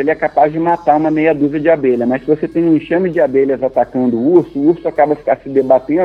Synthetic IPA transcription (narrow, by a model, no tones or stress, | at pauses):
elɪɛkapazd͡ʒɪmat̪aũmɐmejɐd̪uzɪɐd͡ʒɪabeʎɐmɐsɪvoset̪ẽj̃ũĩʃɐ̃mɪd͡ʒɪabeʎlɐzat̪akɐ̃nd̪ʊuɾsʊuɾsʊakabɐfi̥kaɾsɪd̪ebat̪ẽ